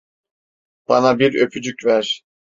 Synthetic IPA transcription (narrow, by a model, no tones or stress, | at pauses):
b̥ɑnabiɾøpʰyd͡ʒycvæɾ̥